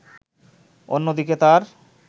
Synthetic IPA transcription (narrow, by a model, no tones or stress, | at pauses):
o̰nːod̪iket̪aɾ